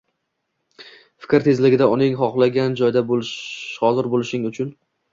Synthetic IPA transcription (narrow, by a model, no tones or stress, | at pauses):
fɪ̥kʲɾt̪ʰe̞zlɪɡʲɪd̪aʊnɪŋχɒχlˠaɡʲand͡ʒɒjd̪abolʃhɒzɪɾbolɪʃɪŋʊt͡ʃʰʊn